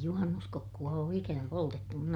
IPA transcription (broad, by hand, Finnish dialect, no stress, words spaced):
juhɑnːuskokːuɑ oː ikænæ poltetːu mun